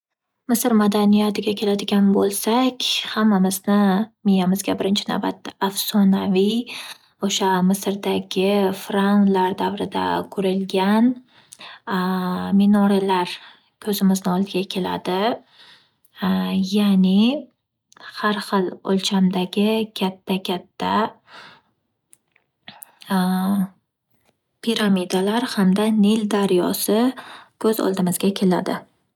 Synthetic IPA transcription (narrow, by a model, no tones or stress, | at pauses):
mɪsɾmad̪anijat̪ʰɪɡʲakʲʰe̞lad̪ɪɡʲanbolˠsakʲhamːamɪznɪmɪjamɪzɡʲabɪɾɪnt͡ʃʰɪna̰wba̰t̪ːaafsɒnavi | oʃamɪsɾd̪aɡʲɪfɾanlaɾd̪avɾɪd̪a̰kʰɵɾɪlɡʲan | menɒɾalaɾ | kʰɵzɪmɪznɪɒlˠd̪ɪɡʲakʲʰe̞la̰d̪ɪ | janɪ | haɾχɨlˠolˠt͡ʃʰamd̪aɡʲɪkʲʰat̪ʰːakʲʰat̪ʰːa | pʰiɾamid̪alaɾhamd̪aneld̪aɾjɒ̰sɪkʰɵzɒ̰lˠd̪ɪmɪzɡʲakʲʰe̞la̰d̪ɪ